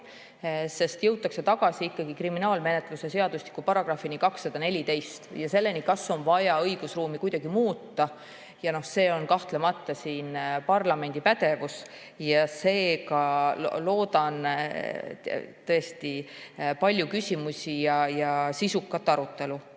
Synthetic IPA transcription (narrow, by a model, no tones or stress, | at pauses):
se̞st̪jɤwt̪ːˑɑkse̞t̪ɑɡ̥ɑsʲiikːɑɡ̥ikriminɑːlme̞ne̞t̪ˑluse̞se̞ɑd̪̥uslikːˑupɑɾɑɡ̥rɑfːinikɑksːɑd̪̥ɑne̞lʲit̪e̞jst̪jɑse̞lːe̞nikɑsːo̞nvɑjɑɤjɡ̥usruːmikujd̪̥ɑɡimuːt̪ːɑ | jɑno̞hse̞ːo̞nkɑht̪lemɑt̪ːɑsiːnpɑrlɑme̞nʲd̪̥ipæd̪e̞vus | jɑse̞ːkɑlo̞ːd̪̥ɑn | t̪ɤ̞est̪ipɑlʲjukysʲimusʲijɑjɑsisukːˑɑt̪ːɑɾut̪ːˑe̞lu